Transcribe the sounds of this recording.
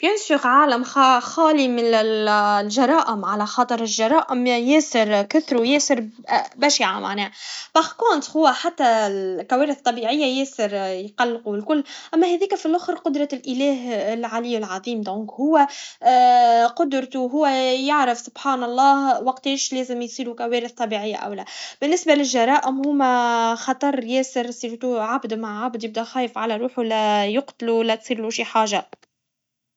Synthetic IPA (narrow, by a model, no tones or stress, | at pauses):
b̥jʊnsiɣʕaːlɪmxxɑːlimɪɪlʒɑɾˤɑːʔɪmʕalæxɑːt̪ˤɨɾɪlʒɑɾˤɑːʔɪmjeːsɪɾkʊθɾujeːsəɾbæʃiʕa̰mʔa̰ʕnɛːb̥axkʊnt̪hʊwːæħat̪ːælkæwæːɾɪθt̪ˤːɑbiːʕɪjːajeːsɪɾjqɑlːquɪlkʊlːʔæmːæhæðiːkæfilʔʊxɾqʊd̪ɾˤɑlʔɪlæːɦɪlʕaliɪlʕɑðˤiːmd̪õːŋkhʊwːæ | qʊd̪ɾt̪uɦʊwːæjɪʕɾɪfsʊb̥ħaːnɑlˤːɑːhwɑqt̪eːʃlæːzɪmjsˤiːɾukæwɛːɾɪθt̪ˤɑbiʕɪjːa̰ʔæ̰wlæːb̥ɪnːɪsbalɪlʒɑɾˤɑːʔɪmhʊːmæxɑt̪ˤɑɾˤjɛːsɪɾsiːɾt̪uʕabd̪maʕʕabd̪jɪb̚d̪æxæːjɪfʕalæɾˤuːħulæjʊqt̪lulæt̪sˤiːɾluʃiħaːʒa